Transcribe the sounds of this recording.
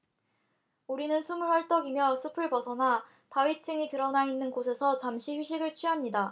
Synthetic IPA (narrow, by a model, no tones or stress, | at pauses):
uɾinɯnsʰumuɭwaɭt͈ʌɡimjʌsʰupʰɯɭpʌsʰʌna | paɥit͡ɕʰɯŋitɯɾʌnainːɯnɡosʰe̞sʰʌt͡ɕamɕʰiçuɕ̬ʰiɡɯɭt͡ɕʰɥiɦamɲida